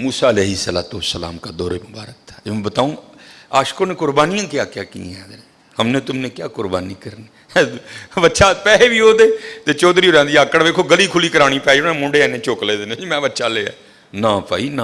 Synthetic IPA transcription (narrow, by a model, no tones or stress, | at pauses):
muːsaːəleːɦɪsəla̰ːt̪oːsəla̰ːmkaːd̪ɔːɾeːmʊbaːɾək̚tt̪ʰḁ̃ːbət̪aːõːaːʃkoːnẽːkʊɾbaːnijãːkɪjaːkɪjaːkḭːɛ̃ːd̪əɾ | həmnẽːt̪ʊmnẽːkɪjaːkʊɾbaːniːkəɾneː | bətːʃʰaːpɛːeːʋiːoːd̪eːt̪eːt͡ʃɔːd̪ɾiːʊɾãːd̪iːaːkːəɽʋeːkʰːoːɡəliːkʰʊliːkəɾaːɽ̃ĩːpɛːiːoːnẽːmʊ̃ːɳɖeːɛːnẽːt͡ʃoːkleːd̪eneːimɛ̃ːbətːʃʰaːleːa̰ː | nãːpa̰ːiːnãː